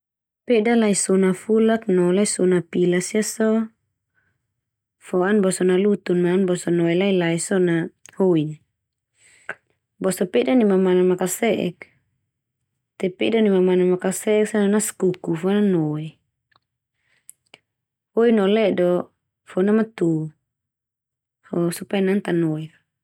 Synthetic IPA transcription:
pedalaisɔnafulak̚nɔlaisɔnapilasiasɔ | fɔanbɔsɔnalut̪unmaːnbɔsɔnɔɛlailaisɔnahoin | bɔsɔpedanimamanamakasɛʔɛ̰k̚ | t̪ɛpɛdɔnimamanamakasɛɛksananaskukufɔnanɔɛ | hoinɔlɛdɔ | fɔnamat̪u | fɔsupajanant̪anɔɛ

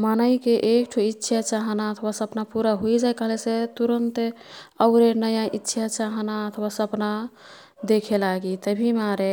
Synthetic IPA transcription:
manəjkeʔekʈʰuitːʃʰat͡ʃaɦnaət̪ʰwasəpnapuɾaɦoid͡ʒajkəɦleset̪uɾənt̪ | əʊɾenəjaʔitːʃʰat͡ʃaɦnaət̪ʰwasəpna | d̪ekʰelaɡit̪əbʱimaɾe

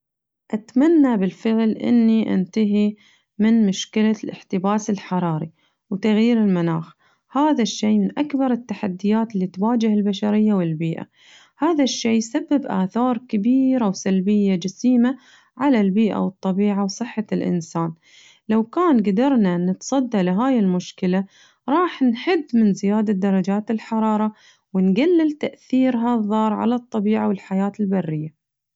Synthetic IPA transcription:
ʔat̪manːabɪlfɪʕlʔɪ̰nːiʔɪ̰nt̪aɦi | mɪnmʊʃkɪlalʔɪ̰ħt̪ɪbaːsɪlħɑɾˤɑːɾi | wt̪aɣjiːɾɪlmanaːx | haːðaʃːeːmɪnʔakbɑɾˤɪt̪ːaħad̪ːɪjaːt̪lːiːt̪waːd͡ʒɪhɪlbaʃaɾɪjːawɪlbiːʔa̰ | haːðaʃːeːjsabːɪbʔa̰ːθɑːɾˤkɪbiːɾawsalbɪjːad͡ʒasiːma | ʕalalbiːʔa̰wɨt̪ˤːɑbiːʕawsˤɨħːalʔɪ̰nsaːn | lawkaːnɡad̪ɑɾˤnanːɪt̪sˤɑd̪ːalɪɦaːjɪlmʊʃkɪla | ɾˤɑːħnħɪd̪ːmɪnzɪjaːd̪ad̪ɑɾˤɑd͡ʒaːt̪ɪlħɑɾˤɑːɾˤɑ | wɪnɡalːɪlt̪aʔθiːɾɦaðˤːɑːɾˤʕa̰lat̪ˤːɑbiːʕawɪlħajaːt̪ɪlbarːɪjːa

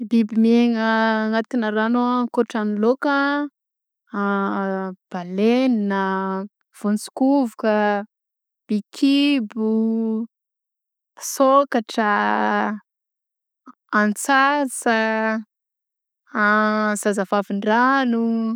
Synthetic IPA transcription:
bibimeŋəŋat̪inəɾanokoʈ͡ʂaniloka | b̥aleninə | v̥ont͡su̥kuvukə | b̥ikʰibu | sokaʈ͡ʂə | ant͡sasə | zazavaviɳɖ͡ʐanu

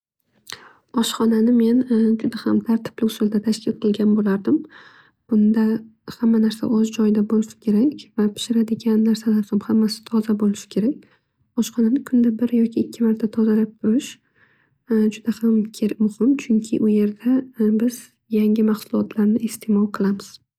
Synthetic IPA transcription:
ɒʃχɒnanɪme̞nd͡ʒʊd̪ahamt̪ʰaɾt̪ʰɪ̥b̥lɪʊsʊld̪at̪ʰaʃkʲʰɪlqʰɨlˠɡʲanbolaɾd̪ɪm | b̥ʊnd̪ahamːanaɾsa̰ʔɒzd͡ʒɒjd̪abolɪʃɪ̥kʲʰe̞ɾakʲvapʰɪ̥ʃɪɾad̪ɪɡʲanːaɾsalaɾsamhamːasɪ̥t̪ʰɒzabolɪʃɪ̥kʲʰe̞ɾakʲ | ɒʃχɒnanɪkʰʊnd̪abɪɾjɒkʲʰɪːkʲʰːɪmaɾt̪ʰat̪ʰɒzalap̚t̪ʰʊɾɪʃ | d͡ʒʊd̪̥ahamkʲʰeɾmʊhɪmt͡ʃʰʊŋkʲʰɪ̰ʔʊje̞ɾd̪abɪz | jaŋʲɪmaχsʊlˠɒt̪ʰlaɾnɪest̪ʰemɒlˠqʰɨlˠamɪz̥

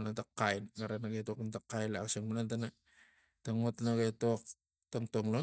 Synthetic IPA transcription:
natakːainɡaɾanaɡatoknat̪akːainasaŋmanant̪ana | t̪aŋut̪naɡatok̚ | t̪oŋtoŋlo

